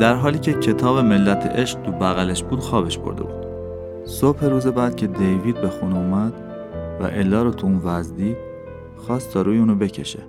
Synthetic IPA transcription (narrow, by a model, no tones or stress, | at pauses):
d̪æɾɦɒːliːcʰe̞cʰe̞t̪ʰɒːβe̞me̞lːæt̪ʰḛʔeʃq̚t̪ʰubæɣæleʃbuːd̪xɒːbe̞ʃbo̞̰ɾd̪ḛbṵːd̪̥ | sobhe̞ɾuːze̞bæːd̪̥cʰe̞d̪ejviːd̪̚be̞xunumæd̪̥ | væ̰ʔelːɒːɾɔt̪ʰuunvæzd̪iː | xɒːst̪ʰɒːɾuːjeuːnɔbe̞cʰe̞̰ʃḛ